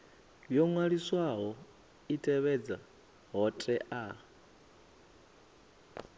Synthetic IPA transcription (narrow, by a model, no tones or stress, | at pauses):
jɔŋwaɺiswaɦɔ | itʰɛβɛd͡za | ɦɔtʼɛʔa